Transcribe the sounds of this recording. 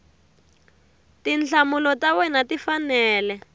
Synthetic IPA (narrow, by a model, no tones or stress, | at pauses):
tinɬʰamulɔtawɛnatifanɛːlɛ